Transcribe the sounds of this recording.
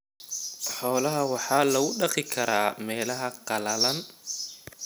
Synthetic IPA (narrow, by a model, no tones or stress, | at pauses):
ħɔːlɐɦɐwɑħɑːlɐɣʊɖɑqɪkʰɐɾaːmɛːlɐɦɐqɑlɐlɐn